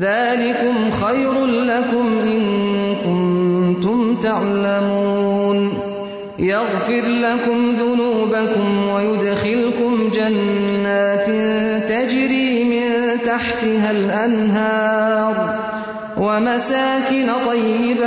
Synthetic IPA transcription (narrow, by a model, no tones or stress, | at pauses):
ðaːlɪkʊmxajɾʊnlakʊmʔɪnkʊnt̪ʊmt̪aʕlamuːn | jaɣfɪɾlakʊmðʊnuːbakʊmwajʊd̪xɪlkʊmd͡ʒanːaːt̪t̪ad͡ʒɾiːmɪnt̪aħt̪ɪɦalʔanɦɑːɾˤ | wamasaːkɪnt̪ˤɑjːɪba